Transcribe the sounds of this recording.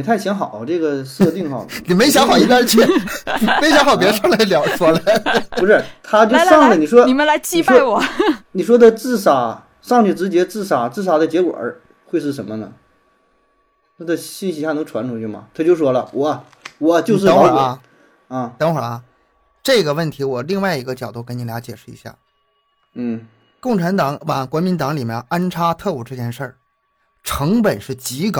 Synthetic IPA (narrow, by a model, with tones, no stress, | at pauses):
i˨˩t̪ʰa˥˩ɪɕjɑ˧˥ŋxɑ˨˩˦ʊʈ͡ʂɤ˥˩ɡə˩sɤ˥˧t̪i˥˧ŋxɑ˨˩ni˨˩me˥ɕjɑ˧˥ŋxɑ˨˩ʊi˥˩a˥˧t͡ɕʰɛ˥˩i˨˩me˧˥ɪɕ̬jɑ˧˥ŋxɑ˨˩pjɛ˧˥ʂla˧˥ljɑ˨˩˦ʊʂwɔ˥lə˨˩pu˧˥ʂɻ̩˥˩t̪ʰa˥t͡ɕjo˥˧ʊ˧ʂɑ˥˩ŋlə˨˩ni˨˩ʂwɔ˥ni˨˩mə˦la˧˥ɪt͡ɕi˥pwɔ˥˧ɪwɔ˨˩˦ni˨˩ʂ̬wɔ˥d̪ə˨˧t͡sɹ̩˥˩sa˨˩ | ʂɑ˥˧ŋt͡ɕʰy˥˩ʈ͡ʂɻ̩˧˥t͡ɕjɛ˧˥t͡sɹ̩˥˩sa˨˩t͡sɹ̩˥˩sa˨˩d̪ə˧t͡ɕjɛ˧˥kwɔ̰˨˩˦ | xwe˥˧ɪʂɻ̩˥˩ʂ̬ə˧˥nmə˧nə̰˩ | t̪ʰa˥də˧ɕi˥˩ɕi˧˥ɕja˥˩nɤ˧˥ŋʈ͡ʂʰwa˧˥nʈ͡ʂʰu˨˥t͡ɕʰy˥˩mɐ̰˨˩t̪ʰa˥t͡ɕjo˥˩ʊʂwɔ˥lə̰˨wɔ˨˩˦ | wɔ˨˩˦t͡ɕjo˥˧ʊ˧ʂ̬ɻ̩˥˧˥wɐ˥˩ | a˥˩t̪ɤ˧˥ŋxwə˞˨˩ɐ˧˩ | ʈ͡ʂɤ˥˩ɡə˩wə˥˩nt̪ʰi˧˥wɔ˨˩li˥˧ŋwa˥˩ɪi˧˥ɡə˧t͡ɕjɑ˨˩ʊt̪u˥˩kə˧˥ni˧˥lja˧˥t͡ɕjɛ˨˩ʂɻ̩˥˩ḭ˧˥ɕja̰˥˩ | n̩˥˩ | kʊ˥˩ŋʈ͡ʂʰa˧˥nt̪ɑ˨˩˥ŋwa˨˩ŋkwɔ˧˥mi˧˥nt̪ɑ˧˥ŋli˨˩mjɛ˧˩na˥nʈ͡ʂʰa˥t̪ʰɤ˥˧u˨˩ʈ͡ʂɤ˥˧˩t͡ɕjɛ˥˧nʂə˥˩ | ʈ͡ʂʰɤ˧˥ŋpə˨˩nʂɻ̩˥˩t͡ɕi˧˥kɑ˨˩˦